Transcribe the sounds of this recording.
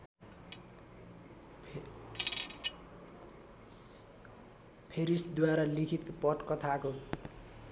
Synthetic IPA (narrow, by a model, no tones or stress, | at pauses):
pʰeɾisd̪waɾalikʰit̪pʌʈkʌt̪ʰako